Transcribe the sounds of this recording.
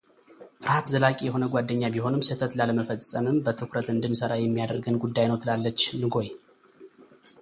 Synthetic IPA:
fɨɾhat̪zəlakʼijɛho̞nəɡʷwad̪ːəɲːabiho̞nɨmsət̪ʰət̪laləməfəsʼəmɨmbət̪ʰɨkʰɾət̪ɨnd̪ɨnsəɾajɛmːijad̪əɾɡənɡud̪ːajnəwt̪ʰɨlalːət͡ʃːnɨɡo̞j

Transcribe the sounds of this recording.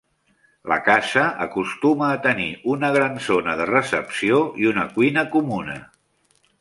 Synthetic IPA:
lə̰kasəʔə̰kust̪uməːt̪əniʔunəɣ̞ɾanzonəðərəsəpsioiunəkwinəkumunə̰

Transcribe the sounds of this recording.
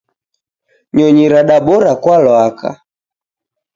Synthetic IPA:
ɲɔɲiɾaɗaɓɔɾakwalwakʰa̰

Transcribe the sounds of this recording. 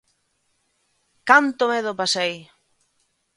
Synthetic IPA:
kant̪omeð̞opasej

